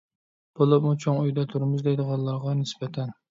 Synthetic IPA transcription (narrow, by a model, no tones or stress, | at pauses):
b̥olˠʊpmut͡ʃʰoŋujd̪ɛt̪ʰuɾmʊzd̪ejd̪ɨʁɑnlːˠɑɾʁɑnɪsbɛt̪ʰɛn